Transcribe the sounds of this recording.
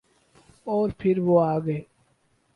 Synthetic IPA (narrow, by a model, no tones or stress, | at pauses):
ɔːɾpʰɪɾʋoːaːɡəeː